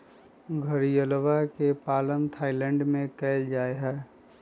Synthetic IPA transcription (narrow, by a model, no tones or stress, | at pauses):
ɡʱəɾijəlʋakepaːlənt̪ʰaːɪlɛ̃ɳɖmẽkɛːɪld͡ʒaːeɦɛː